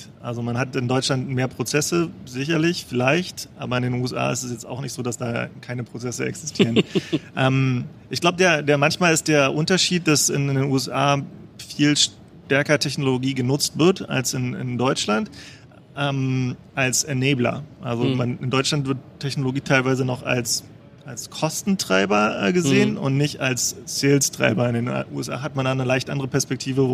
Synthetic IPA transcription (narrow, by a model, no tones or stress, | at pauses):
ʔa̰lzomanhatɪndɔʏt͡ʃlantmeːɐpʁ̥ot͡sɛsəzɪçɐlɪçfɪlaɪçtʔa̰ːbɐɪndeːnuːɛsʔa̰ːɪ̰stɛsjɛt͡sta̰ʊxnɪçtz̥oːdasd̥aːkʰaɪnəpʁ̥ot͡sɛsəɛ̰ksɪ̥stʰiːʁənʔɛːmʔɪçɡ̥laʊbədeːɐdeːɐmançmaːlɪst̚d̥eːɐʔʊntɐʃiːt̚d̥asɪ̰ndeːnʔuːɛsʔaːfiːlʃ | tɛɐkɐtʰɛçnoloɡiːɡənʊt͡stv̥ɪɐta̰lsɪnɪ̰ndɔʏt͡ʃlant | ʔɛːmʔalsʔɛɐneːblɐ̰ʔalzomanɪndɔʏt͡ʃlantv̥ɪɐttʰːɛçnoloɡiːtʰaɪlvaɪzənɔχa̰ls | ʔalskʰɔstn̩tʁ̥aɪbɐʔɛːɡəzeːənʊ̰ntnɪçta̰lsːɪlstʁ̥a̰ɪbɐɪndeːnʔṵɛ̰sʔa̰ːɦat̚mandaːnəlaɪçtʔa̰ndəʁəpɛɐspɛk̚tʰiːvə